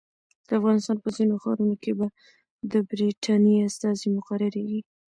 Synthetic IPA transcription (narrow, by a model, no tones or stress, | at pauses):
d̪̥əafɣɑnɪst̪ɑnpəzinoxɑ̰ɾunokeba | d̪əbɾiʈʰɑniast̪ɑzimʊxaɾɪɾewi